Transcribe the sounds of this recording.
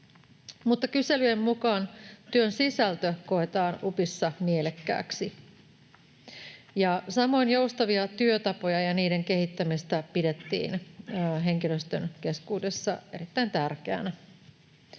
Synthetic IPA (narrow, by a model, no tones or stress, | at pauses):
mut̪ːɑkyselyjemmukɑːnt̪yønsisælt̪øko̞et̪ɑːnupisːɑmielekːæ̰ːksi | jɑsɑmo̞injoust̪ɑʋiɑt̪yøt̪ɑpo̞jɑjɑniːde̞ŋke̞hit̪ːæmist̪æpide̞t̪ːḭːnɦe̞ŋkiløst̪ø̰nke̞skuːdesːɑe̞ɾit̪ːæint̪ærkeæ̰næ